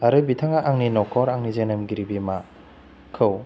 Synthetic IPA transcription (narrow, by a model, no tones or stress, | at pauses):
aɾɯbitʰaŋaʔaŋninɔkʰɔɾaŋnizenɐmɡiɾibima | kʰɯw